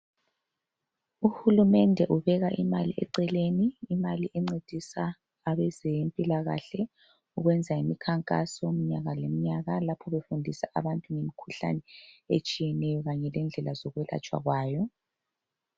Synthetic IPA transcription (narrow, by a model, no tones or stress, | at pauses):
uhulumɛndʱɛʔuβɛɣaʔimaliʔɛ̰ǀɛleniːmaliʔɛŋ͡ǀed̥ʱisaː | βɛzempʼilaɣa̰ɬɛ | uɣwɛnd͡zʱaimikʰaŋkʼa̰sɔm̩ɲaɣalemiɲaɣalapʰɔβefundʱisaʔa̰βantʼuŋemikʰuɬa̰nɛḛt͡ʃʼijɛnɛjɔɣaɲɛlɛnd͡ɮʱɛlazɔɣwɛla̰t͡ʃʼwa̰ɣwaːjɔ